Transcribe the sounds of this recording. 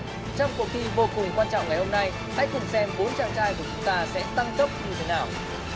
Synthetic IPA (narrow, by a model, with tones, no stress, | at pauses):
t͡ɕɔ˧wŋ͡mkṵ˧˨xi˧ɓo˧kʊ˨˩ŋkwaː˧nt͡ɕɔ̰˧˨wŋ͡mŋa˨˩jho˧mna˧j | ha̰˧˥jkʊ˨˩ŋ͡msɛ˧mɓo˨˦nt͡ɕa̰ː˧˨nt͡ɕaː˧jku˧˩ət͡ɕʊ˨˦ŋ͡mt̪aː˧sɛ̰˧˥t̪a˧ŋt̪ə˦˥p̚ɲɨ˧t̪ʰe˨˦naː˨˩w